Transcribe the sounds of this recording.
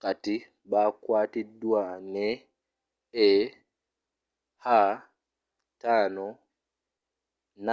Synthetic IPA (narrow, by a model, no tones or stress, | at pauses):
kati | baːkwaːtiduanɛ | ɛ | haː | taːnɔ | na